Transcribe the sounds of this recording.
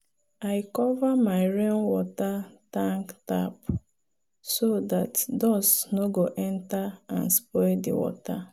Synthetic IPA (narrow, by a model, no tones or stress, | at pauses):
aɪkɔvamaɪɹenwɔtatãŋkta̰p | sodatdɔsnoɡoʔɛ̃ntaã̰nspɔɪldḭwɔ̰ta